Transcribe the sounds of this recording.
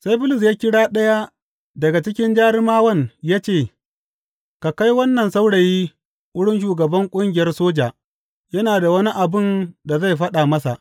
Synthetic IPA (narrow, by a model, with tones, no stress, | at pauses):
sa˦jbʊ˦lʊ˨s̬jaː˦kʲɪ˦ɽaː˦ɗɐ˦ja˦ | dɐ˨ɡa˨t͡ʃɪ˦kʲɪ˦nd͡ʒaː˦ɽɪ˦maː˦wɐ˦˨njaː˦t͡ʃeː˦˨ | ka˨ka˦jwɐ˦nːɐ˨nsa˦wɽa˨jiː˦ | ʔʊ˦ɽɪ˦nʃ̬uː˨ɡɐ˨bɐ˦ŋkʷʼʊ˦ŋɡʲɪ˨jɐ˦rsoː˦d͡ʒaː˨ | jɐ˦naː˨da˨wɐ˦ni˦ʔa˨bɪ˦˨nda˨za˦jɸɐ˦ɗaː˨mɐ˦sa̰˨ʔ